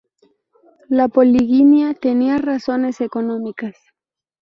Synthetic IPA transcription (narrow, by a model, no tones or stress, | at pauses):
lapo̞liɣimjat̪e̞niaraso̞ne̞se̞ko̞nõ̞mikas